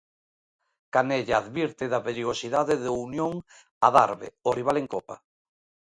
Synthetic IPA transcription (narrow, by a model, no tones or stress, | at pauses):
kaneʎaːðβiɾt̪ɪðaβeɾjɣosiðaðɪðunjoŋ | aða̰ɾβḛoriβ̞aleŋkopa